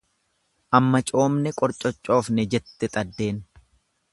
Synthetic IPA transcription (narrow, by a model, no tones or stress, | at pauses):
ʔɐmːɐt͡ʃʼo̞ːmnɛkʼɔɾt͡ʃʼɔt͡ʃʼːo̞ːfnɛd͡ʒɛt̪ːɛt̪ʼɐd̪ːe̞ːn